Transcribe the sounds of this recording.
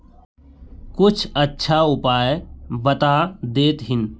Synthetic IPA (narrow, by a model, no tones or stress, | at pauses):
kʊt͡ʃʰətːʃʰaʊpaːjbət̪ad̪eːt̪ɦɪn